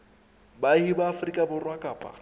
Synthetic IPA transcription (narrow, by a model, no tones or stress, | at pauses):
baɪhibaːfrikʼabʊrwakʼaːpʼa̰